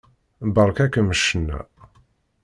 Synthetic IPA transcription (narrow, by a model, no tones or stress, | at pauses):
bəɾˤkækːəməʃːənːæ̰